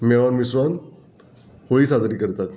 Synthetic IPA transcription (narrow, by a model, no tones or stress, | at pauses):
mɛʋanmisɾɔn | hoiːsad͡zɾiːkəɾt̪at̪